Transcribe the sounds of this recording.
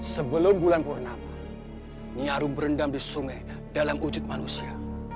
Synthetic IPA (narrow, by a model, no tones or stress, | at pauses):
səbəlʊmbulanpulanama | niaɾʊmbəɾəndamdisuŋaj | dalamud͡ʒʊt̪̚manusia